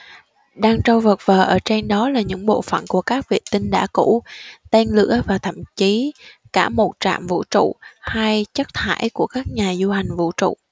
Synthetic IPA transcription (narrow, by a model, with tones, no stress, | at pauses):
ɗaː˧ŋt͡ɕɔ˧wvə˨˩t̚vəː˨˩ʔəː˧˩t͡ɕe˧nɗɔ˨˦laː˨˩ɲɨ̰˧˥ŋɓo̰˧˨fə̰˧˨nku˧˩əkaː˦˥k̚vḭ˧˨t̪ï˧ŋɗa̰ː˧˥˩kṵ˧˥t̪ɛ˧nlɨ̰˧˥əvaː˨˩t̪ʰə̰˧˨mt͡ɕi˨˦kaː˧˩mo˨˩t̚t͡ɕa̰ː˧˨mvṵ˧˥t͡ɕṵ˧˨ha˧jt͡ɕə˦˥k̚t̪ʰa̰ː˧˥jku˧˩əkaː˦˥k̚ɲaː˨˩zu˧ha˨˩ŋ̟vṵ˧˨t͡ɕṵ˧˨